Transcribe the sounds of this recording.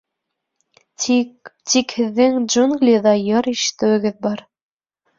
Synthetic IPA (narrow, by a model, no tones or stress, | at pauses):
t̪ikhɘ̆ðːɘŋd͡ʒuŋɡlʲijðɑjɑɾiʃɘ̥̆t̪ɘ̆wɘ̆ɡɘðbɑɾ